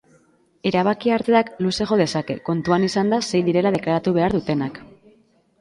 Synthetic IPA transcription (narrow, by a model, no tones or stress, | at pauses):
e̞ɾaβ̞akiaɾt̪eakluse̞ɣo̞ð̞e̞sake̞ko̞nt̪uanisand̪ase̞jðiɾe̞lað̞e̞klaɾat̪uβ̞e̞aɾðut̪e̞nak